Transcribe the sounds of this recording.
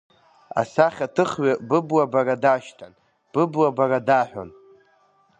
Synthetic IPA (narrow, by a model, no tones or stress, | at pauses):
a̰saχʲatʰɨχɥabɨbwabaradaʃtʰan | b̥ɨblwabaradaħʷᶣa̰n